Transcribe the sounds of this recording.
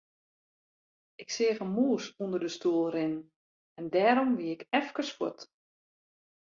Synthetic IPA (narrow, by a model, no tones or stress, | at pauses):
ɪksɪːɣənmuːsundərdəstuəlˠrɪnn̩ | ɛndɛːɾɔmʋiɪkɛfkərsfut